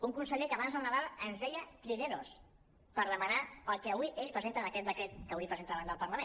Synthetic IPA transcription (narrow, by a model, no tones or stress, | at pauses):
uŋkunsəʎekəːβanzðəlˠnəðalˠənzðɛjət̪ɾineɾos | pəɾðəmənaəlˠkəːβuiʔeʎpɾəzent̪ənəkɛt̪̚d̪əkɾet̪kəβuipɾəzent̪aβand̪əlˠpəɾləmẽ